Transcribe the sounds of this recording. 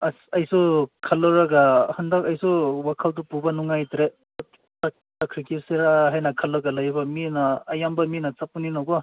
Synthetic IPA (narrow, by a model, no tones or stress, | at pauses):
asɐjsukʰalɔɾaɡahɯndakɐjsuwakʰaldupubanuŋajtɾe | tak̚ | takʰɾikiseɾaɦajnɐkʰɐlɔɡalɐjbaminaːjambaminat͡ʃapuninawɡɔ